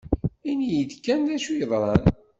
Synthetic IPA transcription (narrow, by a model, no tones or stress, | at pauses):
injəd̪kːænðæʃujəðˤɾˤɑn